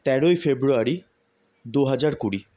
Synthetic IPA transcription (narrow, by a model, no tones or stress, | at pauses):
t̪ɛɾojfebɾuaɾi | d̪uɦad͡ʑaɾkuɽi